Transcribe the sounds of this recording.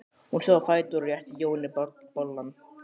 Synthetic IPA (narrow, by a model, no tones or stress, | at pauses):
hunsɛðafɑjt̪uɾjaht̪ijownɪpɔlːan